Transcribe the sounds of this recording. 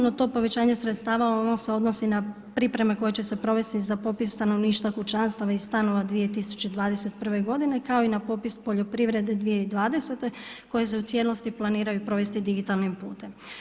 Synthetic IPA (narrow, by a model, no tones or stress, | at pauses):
not̪o̞ːpo̞ʋe̞t͡ɕaːɲe̞sɾet̪st̪aːʋaonoseo̞d̪no̞sina | pɾipɾe̞meko̞jet͡ɕe̞se̞pɾo̞ʋe̞st̪izapo̞pist̪ano̞ʋniːʃt̪akut͡ʃanst̪aʋaiz̥st̪ano̞ʋad̪ʋije̞t̪isu̥t͡ɕed̪ʋaːd̪ese̞t̪pr̩ʋe̞ɡo̞d̪ine̞kao̞inapo̞pispo̞ʎo̞pɾiʋɾe̞d̪e̞d̪ʋijeid̪ʋaːd̪ese̞t̪e̞ko̞jese̞ut̪sje̞lo̞st̪iplˠaniːɾajupɾo̞ʋe̞st̪id̪iɡit̪alˠnimpṵːt̪em